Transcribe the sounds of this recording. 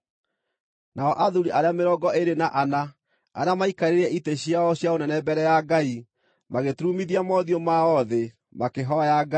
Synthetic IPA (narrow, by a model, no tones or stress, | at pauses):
nʔaɔʔaðuɾiʔaɾeameɾɔɡɔʔeɾenaʔana | a̰ɾeamaikaɾeɾɛʔiteɕjaɔɕjaonɛnɛbɛɾɛjaɡai | maɣetuɾumiðiamɔðiomaɔðe | makeɦɔajaɡa